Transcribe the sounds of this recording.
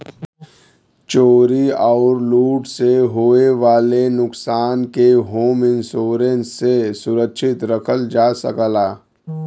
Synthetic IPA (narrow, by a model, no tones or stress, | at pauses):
t͡ʃoːɾiaːɾluːʈseɦoːeʋaːlenʊksaːnkeɦoːmɪ̃nsoːɾẽnsesʊɾəkʃɪt̪ɾəkʰəld͡ʒaːsə̰kəlaː